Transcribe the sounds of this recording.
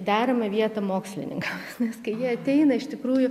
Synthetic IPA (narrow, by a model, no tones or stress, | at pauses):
d̪ʲæːɾɐmɐʋʲiɛt̪ɐmoːksʲlʲɪ̰nʲɪ̰ŋkɐm | nʲɛskɐɪjiɛɐt̪ʲɛɪnɐɪʃt̪ʲɪkɾuːjʊ